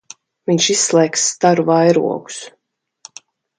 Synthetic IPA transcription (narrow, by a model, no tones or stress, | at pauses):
viɲʃisslˠɛːkst̪aɾuvajɾṵɔɡu̥s